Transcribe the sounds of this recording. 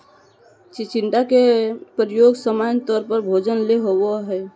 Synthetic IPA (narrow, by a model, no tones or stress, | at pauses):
t͡ʃit͡ʃiɳʈakepɾəjoɡsəmant̪ɔɾpəɾbʱod͡ʒənleɦobɔɦɛ